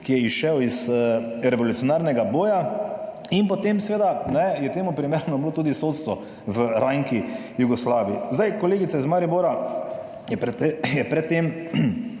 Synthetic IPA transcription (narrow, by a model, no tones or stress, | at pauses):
kijɛiʃɛwizə | ɾɛʋɔlut̪siɔnaːɾnɛɡaboːja | inpɔt̪emsɛʋeːd̪anɛjɛt̪eːmʊpɾimeɾnɔbloːt̪uːd̪isot̪st̪ʋɔ | ʋəɾaŋki | juɡɔslaːʋiizd̪ajkɔleːɡit̪saizmaɾiboɾa | jɛpɾɛejɛpɾɛt̪ːem